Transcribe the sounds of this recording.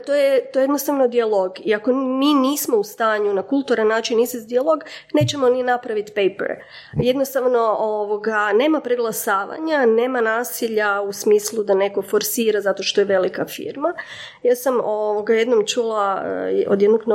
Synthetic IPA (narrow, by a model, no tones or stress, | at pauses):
t̪ojet̪ojjed̪nost̪aʋno̞d̪ialˠo̞ɡiako̞miːniːsmo̞ust̪aːɲunakulˠt̪uɾanːaːt͡ʃinːiːsezd̪ialo̞ɡne̞t͡ɕemo̞ninapɾaʋit̪pejpḛɾ | je̞d̪nost̪aʋno̞oʋo̞ɡane̞ːmapɾeɡlˠasaːʋa̰ɲane̞ːmanaːsiʎausmiːslˠud̪ane̞ko̞fo̞ɾsiːɾazat̪o̞ʃt̪o̞jeʋe̞likafḭːɾma | jaːsamoʋoɡaje̞d̪no̞mt͡ʃulˠao̰d̪jed̪noɡn